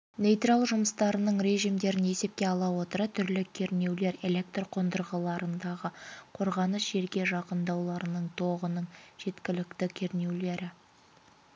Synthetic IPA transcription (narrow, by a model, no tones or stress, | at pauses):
nejt̪ralˠʒʊməst̪ɑɾənəɴɾe̞ʒijmd̪e̞ɾɪne̞se̞p̚kʲe̞ɑlˠɑwo̞t̪əɾət̪ʰʏɾlɪkʲʰe̞ɾne̞wle̞ɾe̞le̞k̚t̪rqʰo̞nd̪əɾʁəlˠɑɾənd̪ɑʁəqʰo̞ɾʁɑnəsʒe̞ɾɡʲe̞ʒɑqənd̪ɑwlˠɑɾənəɴt̪ʰo̞ʁənəɴʒ̥e̞t̪kʲɪlɪkt̪ɪkʲʰe̞ɾne̞wle̞ɾɪ